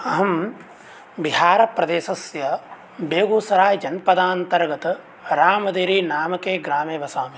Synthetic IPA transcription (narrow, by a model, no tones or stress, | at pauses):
ɐɦɐm | biɦaːɾɐpɾɐd̪eːsɐsjɐ | beːɡuːsɐɾaːjd͡ʒɐnpɐd̪aːnt̪ɐɾɡɐt̪ɐ | ɾaːmɐd̪eːɾiːnaːmɐkeːɡɾaːmeːʋɐsaːmi